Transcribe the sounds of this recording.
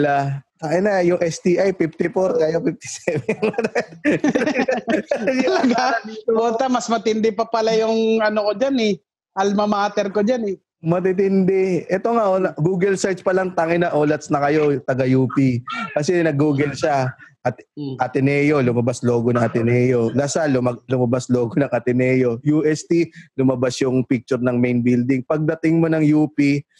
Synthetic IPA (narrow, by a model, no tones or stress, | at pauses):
lak̪aʔɪnɐjʊŋʔɛst̪iʔajpift̪ɪfoɾkajopif̚t̪ɪ̥sɛːvɛŋad̪t̪ | ɐlɐɡabot̪ɐmɐsmɐt̪ɪnd̪ɛpɐpɐlajʊŋɐnokod͡ʒanɛ | ɐlmɐmaːt̪ɛɾkod͡ʒanɛ | mɐt̪it̪ɪnd̪ɛʔɛt̪o̞ŋaʔonɡuːɡɐlsaj̪spɐlɐŋt̪aŋɪnɐʔoːlɐt̪snɐkɐjo̞t̪ɐɡɐjuːpikɐsɛnɐɡuːɡɐlʃaʔɐt̪ʔɐt̪ɛnɛːjo̞lʊmɐbaslo̞ːɡonɐŋɐt̪ɛnɛːjo̞lɐsalmɐlʊmɐbasloːɡonɐŋʔɐt̪ɪnɛːjo̞juʔɛst̪ilʊmɐbasjʊŋpik̚t͡ʃʊɾnɐŋmejnbild̪ɪŋpɐɡ̚d̪ɐt̪ɪŋmo̞nɐŋjuːpi